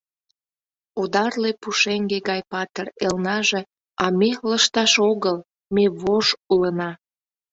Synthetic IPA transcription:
od̪ɑrlepuʃeŋɡeɣɑjpɑt̪erelnɑʒe̽ | ɑmeləʃt̪ɑʃoɣəl | meβoʃulənɑ

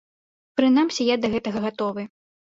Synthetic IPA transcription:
pɾɨnamsʲɛjad̪ɐɣɛt̪ɐɣɐɣat̪ɔvɨ

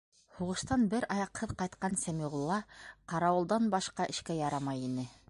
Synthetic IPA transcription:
huʁɤ̆ʃt̪ɑnbɘɾɑjɑqhɤðqɑjt̪qɑnsæmiʁŏlˠːɑqɑɾɑwɤ̆lˠd̪ɑnbɑʃqɑʔɘ̆ʃkæjɑɾɑmɑjinɘ

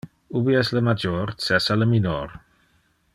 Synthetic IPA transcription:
ubiɛsləmad͡ʒoɾsɛsaləminoɾ

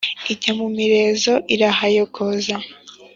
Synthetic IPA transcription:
iɟamumiɾe̞zo̞ʔiɾaɦajokʰoza

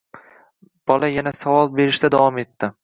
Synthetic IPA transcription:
b̥ɒlajanasavɒlˠbe̞ɾɪʃt̪ad̪avɒme̞t̪ʰːɪ

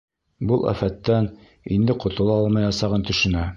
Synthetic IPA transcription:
bulˠʔæ̰fæt̪ːæn | ind̪ɘqŏt̪ŏlˠɑɑlˠmɑjɑsɑʁɤnt̪ɵ̆ʃɘ̆næ

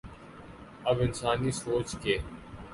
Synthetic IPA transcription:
ɐbɪnsaːnisoːt͡ʃkeː

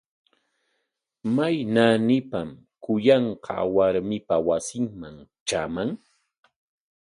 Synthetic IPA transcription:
majnanɪpam | kʊjɑɴqʰɑ̰waɾmɪpawasɪŋmaŋt͡ʃamaŋ

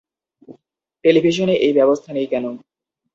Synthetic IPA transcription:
ʈelibʱiʃ̬oneʔejbɛbost̪ʰanejkɛno

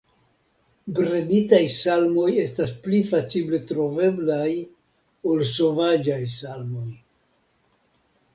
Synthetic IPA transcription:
bɾeditajsalmo̞je̞stasplifat͡ʃible̞tɾo̞ve̞blaj | o̞lso̞vad͡ʒajsalmo̞j

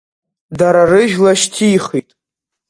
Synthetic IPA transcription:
daɾarɨʒᶣlaʃtʰiːχitʼ

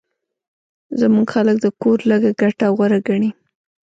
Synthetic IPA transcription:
zamuɡxalək̚d̪əkoɾləɡaɡaʈawɣaɾaɡaɳi

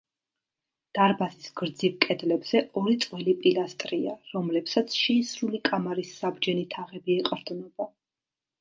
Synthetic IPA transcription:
d̪̥aɾbasisɡ̥ɾd̪zivkʼɛd̪lɛbz̥ɛʔɔɾit̪sʼwɛlipʼilast̪ʼɾiaɾɔmlɛpsat̪sʰʃɛisɾulikʼamaɾisːabd͡ʒɛnit̪ʰaʁɛbiɛqʼɾd̪nɔba

